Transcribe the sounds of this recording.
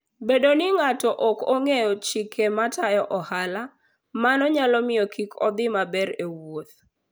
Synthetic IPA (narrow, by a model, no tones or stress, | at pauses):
bedonɪŋatɔʔɔkoŋejɔt͡ʃikʰematajɔʔɔhala | manɔɲalɔmɪjɔkʰikʰɔd̪ɪmabɛɾewot̪̚